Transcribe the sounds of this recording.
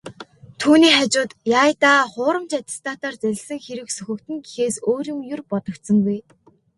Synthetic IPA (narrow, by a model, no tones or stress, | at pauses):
t̪ʰuːniːχat͡ɕʊːt̪jaːjt̪aːχʊːɾə̆mt͡ɕat̪ʲɪ̥st̪ʰaːt̪aːrt͡sæɮ̆ʲɮsɘ̆ŋxeɾɘ̆ksɵxʲɘ̆kt̪ɘ̆ŋɡixeːsoːɾiːŋjʊrpɔt̪ɞ̆k̚t̪sə̆ŋɡuj